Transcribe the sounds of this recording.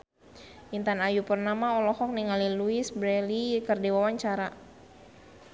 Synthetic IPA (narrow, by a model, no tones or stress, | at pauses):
ʔint̪anajupərnamaɔlɔhɔk̚niŋaliluisbɾɛlikərdiwawaɲt͡ʃaɾa